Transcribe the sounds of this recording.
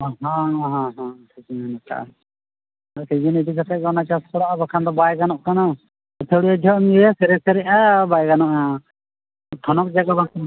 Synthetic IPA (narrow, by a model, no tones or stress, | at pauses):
ɦãɦãɦãʈʰikanakʰa̰ | aked͡ʒɛnid̪ikat̪ʰaʔɡɔnat͡ʃaskɔɽaʔabakʰand̪ɔbajɡanɔʔkana | ɔt̪ʰɛɽijad͡ʒʱɔʔmiɛasɛɾɛsɛɾɛʔabajɡanɔʔa | t̪ʰɔnɔk̚d͡ʒaɡabak